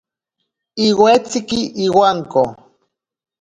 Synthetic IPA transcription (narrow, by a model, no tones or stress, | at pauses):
iwet͡sikiʔiwaŋko